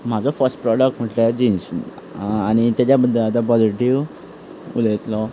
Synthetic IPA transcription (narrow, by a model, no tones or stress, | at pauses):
m̤ad͡zɔfəɾsʈ̚pɾɔɽək̚ʈm̤əʈld͡ʑins | añit̪jad͡ʑjabəd̪ʱːəlat̪apɔd͡ziʈiʋ | ṵlet̪lɔ